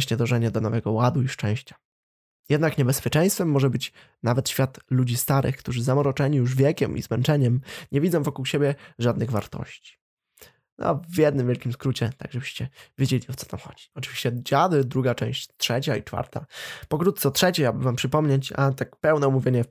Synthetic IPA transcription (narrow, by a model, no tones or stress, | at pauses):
ɕɲɛd̪ɔʐɛɲad̪ɔnɔvɛɡɔwad̪uiʂt͡ʂɛ̃w̃ɕt͡ɕḁ | jɛd̪nakɲɛbɛspʲjɛt͡ʂɛ̃j̃st̪fɛmːɔʐɛbɘt͡ɕ | navɛt̪ɕfʲjat̪lud͡ʑist̪aɾʔɘ̰xkt̪uʐɘzamɔɾɔt͡ʂɛɲijuʐvʲjɛkʲɛmʔḭzmɛnt͡ʂɛɲɛmɲɛvʲid̪zɔ̃w̃vɔkuwɕebʲjɛʐad̪̚nɘɣva̰ɾt̪ɔ̰ɕt͡ɕi̥ | nɔ̰vʲjɛd̪nɘmvʲjɛlkʲimskɾut͡ɕɛt̪aɡʐɛbɘɕt͡ɕɛvʲjed͡ʑelʲiɔt̪sɔ̥t̪ʰamxɔ̰d͡ʑi̥ɔt͡ʂɨ̥viɕt͡ɕɛd͡ʑad̪ɘd̪ɾuɡat͡ʂɛ̃w̃ɕt͡ɕt̪ʂɛt͡ɕait͡ʂfa̰ɾt̪a̰pɔkɾut̪̚t̪sɛt̪ʂɛt͡ɕeabɘvampʂɘpɔmɲet͡ɕa̰t̪ak̚pɛwnɛɔmuvʲjeɲɛ